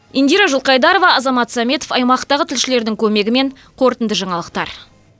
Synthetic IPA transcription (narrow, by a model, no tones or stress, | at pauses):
ind̪ijɾɑʒʊlˠqɑjd̪ɑɾo̞vɑɑzɑmɑt̪sɑmʲe̞t̪o̞fɑjmɑqt̪ɑʁət̪ʰɪlʃɪle̞ɾd̪ɪŋkʲʰɵme̞ɡʲɪme̞ɴ | qʰo̞ɾt̪ənd̪əʒɑɴɑlˠəqt̪ɑɾ